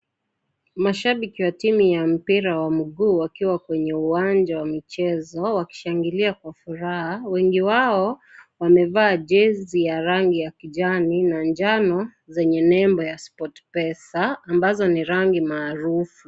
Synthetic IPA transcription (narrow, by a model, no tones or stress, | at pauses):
maʃaɓikiwatimujam̩piɾawam̩ɠuːwakiwakwɛɲɛuwand͡ʒawamit͡ʃɛzɔwaki̥ʃaŋɡiliakwafuɾahawɛŋɡiwaɔwamɛvaːʄɛzijaɾaŋɡijakiʄaninand͡ʒanɔzɛɲɛnɛmbɔjaspɔtpɛsaːmbazɔniɾaŋɡimaːɾufu